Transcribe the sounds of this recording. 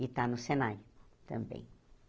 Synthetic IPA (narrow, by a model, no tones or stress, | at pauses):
it̪anʊsenaɾʊt̪ɐ̰̃mbḛ̃j̃